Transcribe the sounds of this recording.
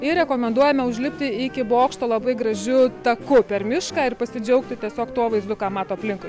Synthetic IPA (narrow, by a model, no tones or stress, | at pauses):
ɪɾʲɛkoːmʲɛnd̪uɔjɛmʲɛʊʒʲlʲɪpʲt̪ʲɪɪkʲɪboːkʃt̪oːlˠɐbɐɪɡɾɐʒʲʊt̪ɐkʊpʲɛrmʲɪʃkɑːɪrpɐsʲɪd͡ʒʲɛʊk̚t̪ʲɪt̪ʲiɛsʲoːkt̪uɔʋɐɪzd̪ʊkɑːmɑːt̪oːɐpʲlʲɪŋkʊɪ